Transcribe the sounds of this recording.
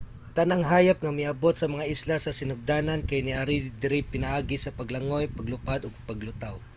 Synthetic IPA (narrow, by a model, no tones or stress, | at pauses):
t̪ɐnaŋɦaːjap̚ŋɐmɪɐbot̪̚sɐmɐŋaʔɪslasɐsɪnʊɡ̚d̪aːnɐnkɐjnɪʔaɾid̪ɪɾɪpɪnɐʔaːɡɪsɐpɐɡlɐŋojpɐɡlʊpad̪ɔɡ̚pɐɡlʊt̪aw